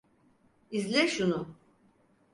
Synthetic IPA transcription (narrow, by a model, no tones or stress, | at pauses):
izlʲɛʃunu